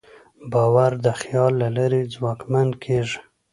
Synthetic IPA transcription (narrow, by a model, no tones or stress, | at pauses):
bɑwaɾd̪əxjɑlːalaɾid͡zwɑkmand̪kʰeʐ